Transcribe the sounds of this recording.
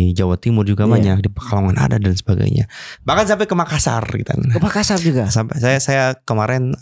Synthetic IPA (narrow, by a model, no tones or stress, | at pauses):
d͡ʒawat̪imʊrd͡ʒuɡabaɲak̚dipərkaloŋana̰dadansə̥baɡa̰jɲa̰bakansamp̬akəmakasa̰rɡḭt̪a̰nkəmakasard͡ʒuɡasampasajasajakəmaɾɛn